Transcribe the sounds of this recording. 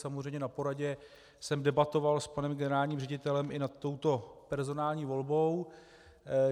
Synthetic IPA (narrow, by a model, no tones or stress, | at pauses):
samozrɛjɲɛnapo̞ɾaɟɛ | sɛmdɛbat̪o̞valspanɛmɡɛnɛɾaːlɲiːmrɛɟɪt̪ɛlɛmɪnat̪ːo̞wt̪o̞pɛɾzo̞naːlɲiːvo̞lbo̞w